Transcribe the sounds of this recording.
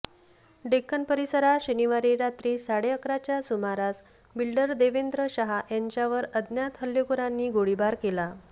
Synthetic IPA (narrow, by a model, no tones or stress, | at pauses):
ɖekːənpəɾisəɾaɕəniʋaɾiːɾat̪ɾiːsaɽeəkɾat͡ɕjasumaɾas | bilɖəɾd̪eʋend̪ɾəɕaɦaʔjaɲt͡ɕjaʋəɾəd̪njat̪ɦəljokuɾãnːiːɡoɽibaɾkela